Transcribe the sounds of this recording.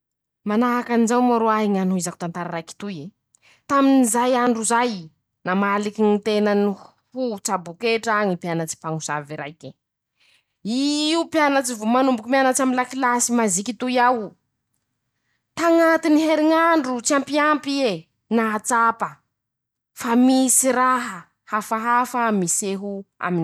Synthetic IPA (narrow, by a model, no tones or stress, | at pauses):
manaakanizawmaɾoaɦiŋanuizaku̥t̪ant̪aɾaɾajki̥t̪uje | t̪aminizajaɳɖ͡ʐuzaj | namalikinit̪enəni | hut͡sabukeʈ͡ʂaŋipjanət͡si̥paŋusa̰viɾa̰jke | iupjanət͡sivumanumbukimianat͡ʃaminlakilasimazikit̪ujaw | t̪aŋat̪iniɦeɾiŋaɳɖ͡ʐut͡siampiampie | naat͡sapə | famisiɾaɦə | hafaɦafamiseɦua̰min